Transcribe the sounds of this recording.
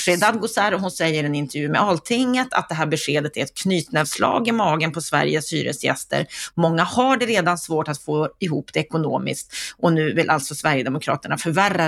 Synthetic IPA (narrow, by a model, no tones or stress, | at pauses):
ʂeːd̪ad̪̚ɡʊsæːɾɔɦʊnsɛjːəɾɛnɪnt̪ɛɾjʉ̟ːmɛalt̪ʰɪŋːət̪ʰa̰t̪̚d̪ɛɦæːɾbɛɧeːd̪ət̪ʰæɾɛt̪̚kʰnyːt̪nɛvslɑ̰ːɡɪmɑːɡənpʰɔsvæ̰ɾjəsy̰ːɾə̰sjɛ̰st̪ə̰ɾmɔŋːahaɖɛɾeːd̪ansvoːʈat̪foːɪɦuːpd̪ɛɛkʊno̰ːmɪ̰skt̪ʔɔnʉ̟ːvɪlʔa̰lt̪sɔsvæɾjəd̪ɛmʊkʰɾɑ̰ːt̪əɳafœɾværːa